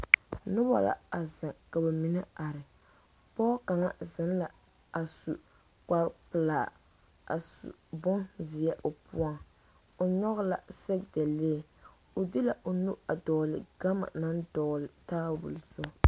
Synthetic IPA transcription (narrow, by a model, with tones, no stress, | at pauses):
nʊ˦bɔ̰˨la̰˨a˨za˨ŋka˨bɛ˨mi˨nɨ˦a˨ɾɪ˨ | pɔː˦ka˨ŋa˦zɪ˨n˦la˨ | a˨su˨ | ka˦ɾpɨ˨laː˨ | a̰˨sṵ˨bʊ˦nzɪ˨jɛ˦ʔo˨pʊ˦ɔ˦ŋ | o˨ɲɔ˦ɣʊ˦la˨sɛ˦ɡ̚dɛ˨le˦˨ | o˨dɪ˦la˨ʔo˨nu˦a˨dɔː˨lɪ˨ɡ̥a˦ma̰˨na˦ndɔː˨lɪ˨taː˦bʊ̰˨lzʊ˦˨